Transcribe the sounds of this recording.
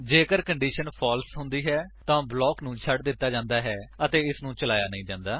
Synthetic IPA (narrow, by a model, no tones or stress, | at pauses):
d͡ʒeːkəɾkəɳɖiːʃənpʰɔːlsɦʊnd̪iːɦɛːt̪ãːblɔːknũːt͡ʃʰəʈd̪ɪt̪ːaːd͡ʒãːnd̪aːɦɛːət̪eːɪsnũːt͡ʃəlaːjaːnəĩːd͡ʒãːnd̪aː